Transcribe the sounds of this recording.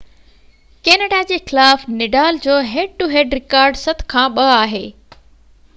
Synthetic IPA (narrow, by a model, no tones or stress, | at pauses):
keːnəːɖad͡ʑeːxɪlaːfnɪɖaːld͡ʑoːɦeːɖ̚ʈuɦeːɖɾɪkaːɾɖsɐt̪̆ʰkʰãːɓɐaːɦeː